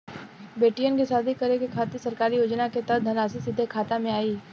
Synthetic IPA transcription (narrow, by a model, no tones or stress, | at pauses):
beːʈijənkisaːd̪ʱikɐɾekekʰaːt̪isɐɾkaːɾijoːd͡ʒnaket̪ɐd̪ʱɐnaːsisɪd̪ʱːekʰaːt̪amẽaːiː